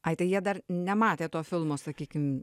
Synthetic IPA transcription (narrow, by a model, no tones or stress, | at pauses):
ɐɪt̪ɐɪjiɛd̪ɐrnʲɛmɑːt̪ʲeːt̪oːfʲɪlˠmoːsɐkʲiːkʲɪm